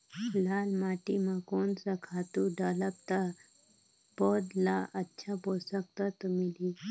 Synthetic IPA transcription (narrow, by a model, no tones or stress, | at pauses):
lalmaʈimakonsakʰat̪uɖələp̚t̪a | bɔd̪laʔətːɕʰabosək̚t̪at̪mili